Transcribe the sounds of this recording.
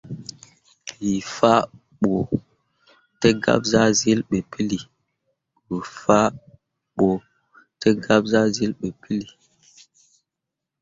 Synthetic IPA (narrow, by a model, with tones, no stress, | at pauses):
li˨fa˦ | ɓo˨ | tə˦ɡa̰˦p̚za˦zi˦lɓə˨pi˦li˨ | wə˨fa˦ | ɓo˨ | tə˦ɡa˦p̚za˦zi˦lɓə˨pʰi˦li˨